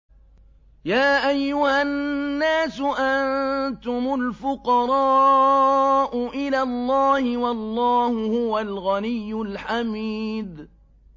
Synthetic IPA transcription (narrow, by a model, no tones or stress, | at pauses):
jaːʔajːʊhanːaːsʊʔant̪ʊmʊlfʊqɑɾˤɑː | ʔʊʔɪlaːlˤːɑːhɪwɑlˤːɑːhʊhʊwalɣanɪjːʊlħamiːd̪